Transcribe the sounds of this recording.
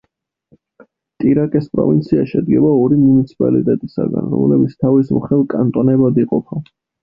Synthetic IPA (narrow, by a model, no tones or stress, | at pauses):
t̪ʼiɾakʼɛspʼɾɔ̰vint̪sʰiaʃɛd̪ɡɛbaɔɾimunit̪sʰi̥pʼalḭt̪ʼɛt̪ʼisa̰ɡa̰nɾɔ̰mlɛbit̪sʰt̪ʰavismχɛlˠkʼant̪ʼɔnɛbad̪iqʼɔpʰa